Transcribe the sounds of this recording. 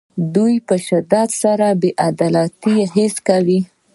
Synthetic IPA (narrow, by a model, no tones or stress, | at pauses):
d̪ujpəʃɪd̪ɑd̪saɾabeʔad̪ɑlɑt̪iɦɪskawi